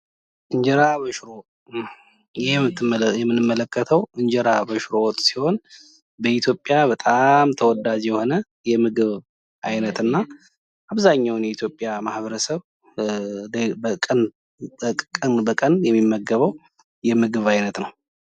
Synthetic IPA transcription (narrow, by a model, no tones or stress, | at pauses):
ʔɨɲd͡ʒɛɾaβəʃɾo̞ | jɪhɛmːɨt̪ʰːɨmjɛmːɨnɨmːələkʰːət̪ʰəwɨɲd͡ʒɛɾabəʃɾo̞wɔt̪ʼːsiho̞n | bəit̪ʰjo̞pʼjaβət̪ʼamt̪ʰəwɔd̪ad͡ʒjɛho̞nə | jɛmɨɡɨβ | ʔajnət̪ɨnːa | ʔaβzaɲːawnjɛit̪ʰjo̞pʼjamahβəɾəsəβ | kʼənʼ | kʼənbəkʼənjɛmːimːəɡːəβəw | jɛmɨɡɨβajnət̪nəw